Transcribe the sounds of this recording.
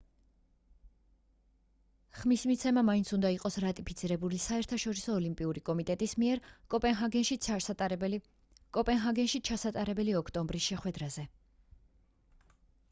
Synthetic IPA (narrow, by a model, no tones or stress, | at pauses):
χmismit̪sʰɛmamaint̪sʰund̪aiqʼɔsɾat̪ʼipʰit̪sʰiɾɛbulisaɛɾt̪ʰaʃɔɾisɔːlimpʼiuɾikʼɔmit̪ʼɛt̪ʼismiɛɾkʼɔpʼɛnɦaɡɛnʃi | kʼɔpʼɛnɦaɡɛnʃit͡ʃʰasat̪ʼaɾɛbɛliɔkʰt̪ʼɔmbɾisʃɛχwɛd̪ɾazɛ